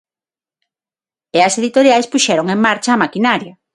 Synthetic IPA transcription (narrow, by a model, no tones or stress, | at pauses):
eɐseðit̪oɾjajspuʃɛɾoŋeŋmaɾt͡ʃaːmakinaɾjɐ